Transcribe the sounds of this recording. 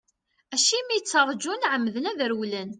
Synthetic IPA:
æʃimijət͡sːəɾˤd͡ʒunʕəmːðənæðəɾwlæn

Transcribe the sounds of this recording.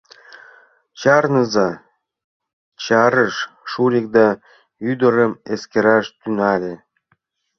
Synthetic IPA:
t͡ɕɑrnɤzɑ | t͡ɕɑɾəʃʃuɾʲek̚d̪ɑ | yd̪ə̆ɾəmeskʲeɾɑʃt̪ynɑlʲe

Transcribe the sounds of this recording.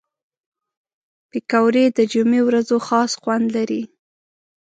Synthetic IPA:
pɪkawɾed̪əd͡ʒumewɾazoxɑsxwand̪laɾi

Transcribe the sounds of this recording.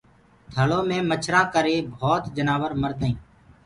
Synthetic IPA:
t̪ʰəlõːmẽːmət͡ʃʰɾãːkəɾeːbʱoːt̪d͡ʒənaːʋəɾməɾd̪əĩː

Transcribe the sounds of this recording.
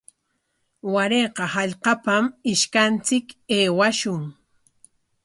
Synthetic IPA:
waɾeːqɑhɑʎqɑpamɪʃkant͡sɪkeːwaʃʊŋ

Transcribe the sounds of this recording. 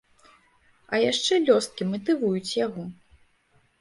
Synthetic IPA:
ɐjaʂt͡ʂɛlʲɔst̪̚kʲimɐt̪̬ɨvujut͡sʲjaɣɔ

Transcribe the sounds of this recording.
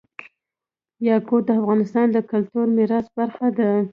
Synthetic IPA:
jɑkod̪əafɣɑnɪst̪ɑnd̪əkalt̪uɾmɪɾɑsbaɾxad̪a

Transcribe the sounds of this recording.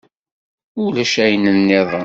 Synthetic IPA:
ʊlæʃæjənənːɪðˤən

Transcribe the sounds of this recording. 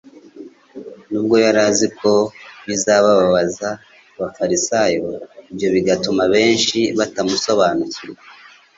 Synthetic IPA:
nuːb̚ɡo̞jaɾazikʰo̞βizaβaβaβazaː | βafaɾisajoibjo̞βiɡatumaβe̞ːnʃiβatamuso̞βanuciɾe

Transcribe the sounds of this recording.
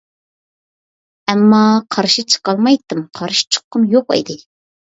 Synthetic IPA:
ɛmːɑqʰɑɾʃit͡ʃʰə̥qɑlˠmɑjt̪ːɨmqʰɑɾʃt͡ʃʰə̥qːɨmjoqḭd̪ɪ

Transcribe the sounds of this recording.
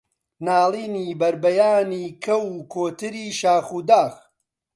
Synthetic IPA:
naːlˠiːniːbɐɾbɐjaːniːkʰɐwkʰoːt̪ɨɾiːʃaːxuːd̪aːx

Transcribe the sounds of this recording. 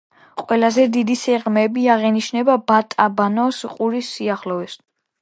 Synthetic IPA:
qʼwɛlazɛd̪id̪isɛʁmɛbiaʁɛniʃnɛbabat̪ʼabanɔsqʼuɾisːiaχlɔɛs

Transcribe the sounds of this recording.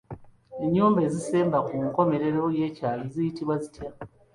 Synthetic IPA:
e̞ɲːuːmbe̞ːzise̞ːmbakuŋko̞me̞ɾe̞ɾo̞je̞ːcaːβizijitiβwazitʰja

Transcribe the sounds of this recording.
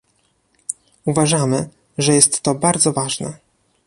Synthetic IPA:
uvaʐamɘ | ʐɛjɛst̪ːɔbaɾd̪zɔvaʐnɛ̰

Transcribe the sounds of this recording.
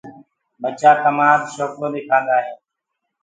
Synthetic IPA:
bət͡ʃaːt̪əmaːt̪ʃoːkɾoːd̪eːkʰãːnd̪aːɦeː

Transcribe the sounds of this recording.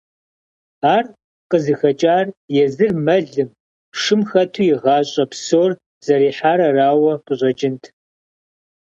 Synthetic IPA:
aːr | qəzɨxɐt͡ʃʼaːrjɛzɨrmɐɮɨm | ʂɨmxɐtʰuːjɪʁɑːɕʼɐpsoːr | z̥ɐɾiːħaːɾɐraːwɐqʼəɕʼɐt͡ʃʼɪntʰ

